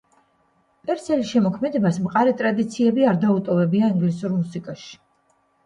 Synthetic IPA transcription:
pʼɛɾt̪sʰɛliʃɛmɔkʰmɛd̪ɛbasmqʼaɾit̪ʼɾad̪it̪sʰiɛbiaɾd̪aut̪ʼɔvɛbiaiŋɡlisuɾmusikʼaʃi̥

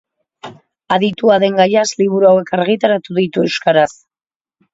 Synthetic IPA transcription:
aðit̪uaðe̞ŋɡajasliβuɾuawe̞kaɾɣit̪aɾat̪uðit̪ue̞wskaɾas

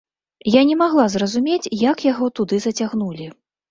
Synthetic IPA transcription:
janʲɛmaɣlˠazrɐzumʲet͡sʲjakjaɣɔt̪ud̪ɨzɐt͡sʲaɣn̪ulʲi

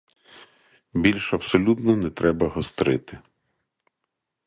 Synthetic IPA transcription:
bʲilʲʃɐpsɔlʲut̪nɔnɛt̪ɾɛbɐɦɔst̪ɾɪt̪ɪ

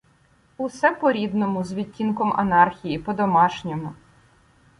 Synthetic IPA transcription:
usɛpɔɾʲid̪nɔmʊzʋʲitʲːinkɔmɐ̰nɑrxʲijipɔd̪ɔmɑʃnʲɔmʊ

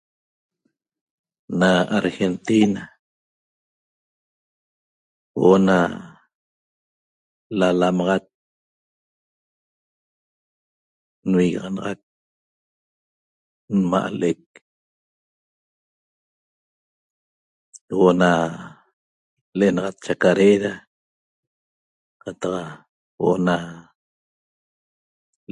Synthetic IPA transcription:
naaɾxent̪ina | wona | lalamɑʁɑt̪̚ | nwiɣɑʁɑnɑʁɑk̚ | nma̰ʔalʔek̚ | woʔna | leʔenɑʁɑt̪̚t͡ʃakaɾeɾa | qat̪ɑq | woʔona

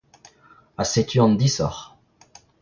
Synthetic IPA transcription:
aset̪ʰyɑ̃nd̪isɔ̰ʁ

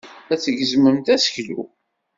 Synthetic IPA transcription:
æt͡sːəɡəzməmt̪æsə̥çlṵ

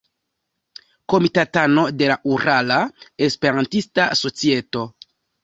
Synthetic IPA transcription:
ko̞mitatano̞de̞laʔuɾalae̞spe̞ɾantistaso̞t͡sie̞to̞

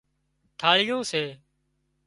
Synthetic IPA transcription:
t̪ʰaːɭɪjõːseː

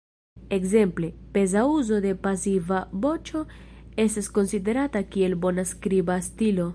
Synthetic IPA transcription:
e̞kze̞mple̞pe̞zauzo̞de̞pasivabo̞t͡ʃo̞e̞stasko̞nside̞ɾatakie̞lbo̞naskɾibastilo̞

